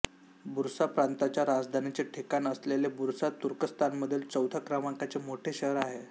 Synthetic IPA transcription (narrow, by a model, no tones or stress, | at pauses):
buɾsapɾant̪at͡ɕjaɾad͡zd̪ʱanit͡ɕeʈʰekanəslelebuɾsat̪uɾkəst̪ʰanməd̪ʱjilt͡səwt̪akɾamaŋkat͡semoʈʰeɕəɦɾaɦe